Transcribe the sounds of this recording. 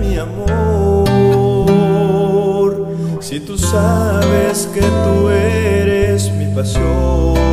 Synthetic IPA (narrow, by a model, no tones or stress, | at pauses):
miamo | ɾ | sit̪usaβesket̪ueɾesmipasjo